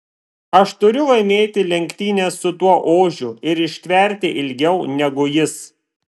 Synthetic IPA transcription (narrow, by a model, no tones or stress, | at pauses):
ɐʃt̪ʊɾʲʊlˠɐɪmʲeːt̪ʲɪlʲɛŋʲkʲt̪ʲiːnʲeːsʊt̪uɔʔoːʒʲʊɪɾɪʃʲt̪ʲʋʲɛˑɾʲt̪ʲɪʔɪlʲɡʲɛʊnʲɛɡʊjɪs